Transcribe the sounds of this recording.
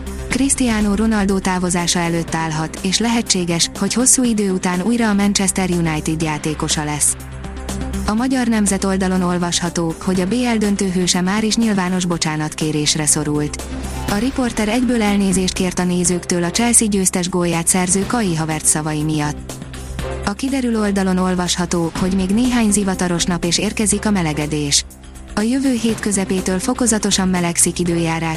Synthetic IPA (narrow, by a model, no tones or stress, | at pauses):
krist̪ijaːnoːɾo̞nɒld̪oːt̪aːvo̞zaːʃɒɛløːt̪ːaːlɦɒt̪eːʃlɛɦɛt͡ʃːeːɡɛʃho̞cho̞sːuːid̪øːut̪aːnuːjrɒːmɛnt͡ʃɛst̪ɛrjunajt̪id̪jaːt̪eːko̞ʃɒlɛs | ɒmɒɟɒrnɛmzɛt̪o̞ld̪ɒlo̞no̞lvɒʃhɒt̪oːho̞ɟɒbeːɛld̪ønt̪øːɦøːʃɛmaːɾiʃɲilvaːno̞ʒbo̞t͡ʃaːnɒt̪keːɾeːʃrɛso̞ɾult̪ | ɒɾipo̞rt̪ɛɾɛɟbøːlɛlneːzeːʃt̪̚keːrt̪ɒneːzøːkt̪øːlɒt͡ʃɛlsiɟøːst̪ɛʒɡojaːt̪sɛrzøːkɒjiɦɒvɛrt̪sɒvɒjimijɒt̪ː | ɒkid̪ɛɾylo̞ld̪ɒlo̞no̞lvɒʃhɒt̪oːho̞ɟmeːɡneːɦaːɲzivɒt̪ɒɾo̞ʃnɒpeːʃeːrkɛzikɒmɛlɛɡɛd̪eːʃ | ɒjøvøːɦeːt̪kø̞zɛpeːt̪øːlfo̞ko̞zɒt̪o̞ʃɒmːɛlɛksikid̪øːjaːɾaːʃ